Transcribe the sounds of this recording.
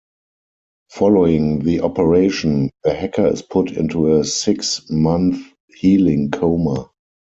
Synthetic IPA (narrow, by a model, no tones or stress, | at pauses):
fɔloʊɪ̃ŋðiʔɔpəɹeɪʃə̃nðəhɛkʰə˞ɪ̰spʰʊtɪ̰̃ntuəsɪksmãnθ | hiːlɪ̃ŋkʰoʊmə